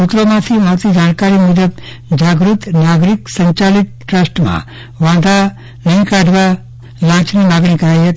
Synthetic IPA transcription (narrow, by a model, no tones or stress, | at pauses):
sut̪ɾomãt̪ʰimaɾt̪id͡ʒaːnkaːɾimud̪əb̚ | d͡ʒaːɡɾut̪naːɡɾiksɐɲt͡ʃalit̪̚ʈɾəsʈmã̰ | ʋãːd̪ʱa | nɐĩkaɖʱʋa | lãːt͡ʃnimaːɡɳĩkɐɾajɦet̪